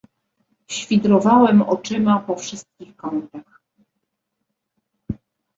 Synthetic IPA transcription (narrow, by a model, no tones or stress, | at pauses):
ɕfʲid̪ɾɔvawɛmɔ̰t͡ʂɘmapɔfʂɘst̪̚kʲixkɔnt̪ax